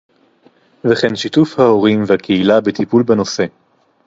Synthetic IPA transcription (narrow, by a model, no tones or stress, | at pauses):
veχenʃit̪ufhao̞ʁimvehakʰeilabet̪ipulbeno̞se̞